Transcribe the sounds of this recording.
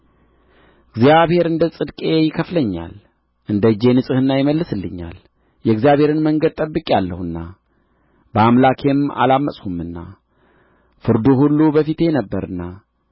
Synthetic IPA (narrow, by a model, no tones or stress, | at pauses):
ɨɡzjaβhe̞ɾɨnd̪əsʼɨd̪kʼe̞jɪkʰəfləɲːa̰l | ʔɨnd̪əd͡ʒːe̞nɨsʼɨhɨnːajɪməlːɨsɨlːɨɲːa̰l | jɛɡzijaβhe̞ɾɨnməŋɡəd̪̚t̪ʼəbːɨkʼealːəhɨnːa | bəamlakʰe̞ma̰lamːəsʼhumɨnːa | fɨɾd̪uhulːubəfit̪ʰe̞nəbːəɾɨnːa